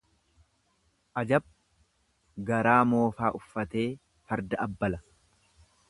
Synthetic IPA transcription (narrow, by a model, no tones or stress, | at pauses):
ʔɐd͡ʒɐb̚ | ɡɐɾaːmo̞ːfaːʔʊfːɐt̪e̞ː | fɐɾd̪ɐɐbːɐlɐ